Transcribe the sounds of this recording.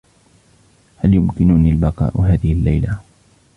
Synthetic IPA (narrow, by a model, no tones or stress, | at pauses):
haljʊmkɪnʊniːlbɑqɑ̰ːʔʊɦaːðɪhɪlːajla